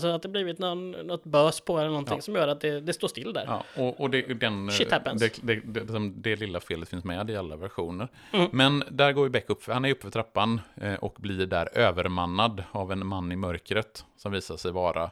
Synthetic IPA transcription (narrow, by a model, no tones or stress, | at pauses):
sɔat̪̚d̪ɛbliːvɪt̪nɔnnɔt̪ːbœːspʰɔɛlːəɾnɔnt̪ɪŋsɔmjœːɾat̪̚d̪ɛd̪ɛst̪oːʂt̪ɪlːd̪æ̰ɾɑ̰ːɔʔɔd̪ɛd̪ɛnʃɪhæpːənsɛd̪ɛd̪ɛlɪksɔmd̪ɛlɪlːafeːlət̪fɪnsmɛd̪ɪalːavæɾɧuːnəɾ | mɛnd̪æɾɡoːɾjbɛkːɵpːfœhanæɾjɵpːəfœʈtʰɾapːanʔɔ̰kblɪɖæ̰ɾøːvəɾmanːad̪avɛnmanːɪmœɾkɾət̪sɔmviːsaʂɛjvɑːɾʔa̰